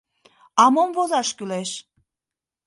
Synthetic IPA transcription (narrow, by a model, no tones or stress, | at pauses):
ɑmomvozɑʃkyleʃ